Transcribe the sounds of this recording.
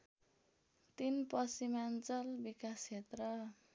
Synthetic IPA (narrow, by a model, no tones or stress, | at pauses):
t̪inpʌsimant͡sʌlbikast͡ʃʰet̪rʌ